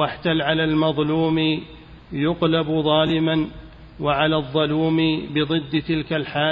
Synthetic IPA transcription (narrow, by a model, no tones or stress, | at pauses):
waħt̪alʕalaːlmɑðˤluːm | jʊqlabðˤɑːlɪman | waʕalaːðˤːɑluːmbɪðˤɨd̪ːt̪ɪlkalħaː